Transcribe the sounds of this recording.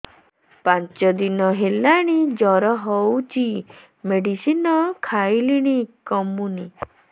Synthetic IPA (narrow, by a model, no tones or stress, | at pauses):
pant͡ʃɔd̪inɔɦelaɽ̃id͡ʒɔɾɔɦɔwt͡ʃʰi | meɽisinɔkʰajliɽ̃ikɔmuni